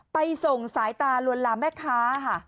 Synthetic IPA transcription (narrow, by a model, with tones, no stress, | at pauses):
pa˧jso˨˩ŋsaː˩˦jt̪aː˧lu˧ənlaː˧mbɛː˥˩kʰːaː˦˥kʰa˥˩